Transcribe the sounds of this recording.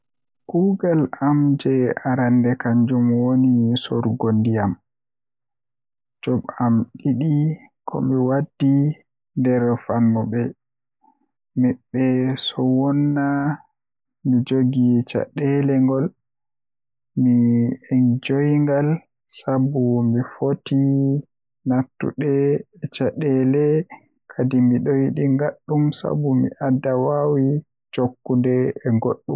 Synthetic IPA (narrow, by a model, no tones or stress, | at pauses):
kuːɡalamd͡ʒɛaɾandɛkaɲd͡ʒumwonisɔɾɡondijam | d͡ʒɔɓamɗiɗi | kʰɔ̰mɛwadːi | ndɛɾfanːɔɓɛ | mɛɓːɛsɔwɔnːa | mid͡ʒoɡit͡ʃa̰ɗɛlɛŋɡɔl | miɛnd͡ʒojŋɡal | sabumifoti | natːṵɗɛɛt͡ʃaɗɛlɛ | kʰadimiɗojiɗiŋɡaɗːumsa̰bumḭʔadːawawi | d͡ʒokːundɛɛɡoɗːum